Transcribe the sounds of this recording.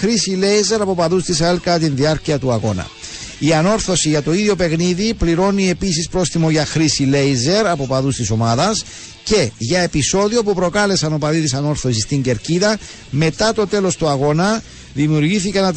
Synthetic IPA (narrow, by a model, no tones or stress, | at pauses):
xɾisile̞jze̞ɾɐpo̞pɐðust̪isɐelkɐt̪̬inðiɐɾciɐt̪uɐɣo̞nɐ̰ | iɐno̞ɾθo̞siʝɐt̪o̞iðjo̞pe̞ɣniðipliɾo̞nie̞pisispɾo̞sθimo̞ʝɐxɾisile̞jze̞ɾɐpo̞pɐðust̪iso̞mɐðɐs | ce̞ʝɐe̞piso̞ðio̞pupɾo̞kɐle̞sɐno̞pɐðit̪isɐno̞ɾθo̞sist̪iɲɟe̞ɾciðɐ | me̞t̪ɐt̪o̞t̪e̞lo̞st̪uɐɣo̞nɐ | ðimiuɾʝiθikɐnɐ